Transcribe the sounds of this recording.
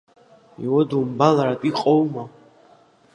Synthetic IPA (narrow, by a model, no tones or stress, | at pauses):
ḭwɔd̪umbalaɾat̪ʼiqʼɔwma